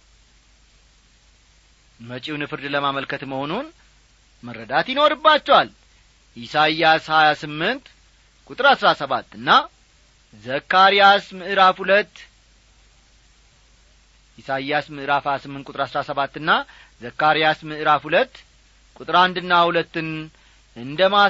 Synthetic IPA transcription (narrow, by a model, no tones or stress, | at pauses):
mət͡ʃʼiwnɨfɨɾd̪ləmaməlkʰət̪məho̞nun | məɾəd̪at̪jɪno̞ɾɨbːat͡ʃːɛwal | jɪsajashajasɨmːɨnt̪ | kʼut̪ʼɨɾasɾasəβat̪ːɨnːa | zəkːaɾijasmɨʔɨɾafhulət̪ː | isajasmɨʔɨɾafhajasɨmːɨnt̪kʼt̪ɨɾasɾasəβat̪ːɨnːa | zəkːaɾijasmɨʔɨɾafhulət̪ː | kʼut̪ʼɨɾand̪ɨnːahulət̪ːɨn | ɨnd̪əma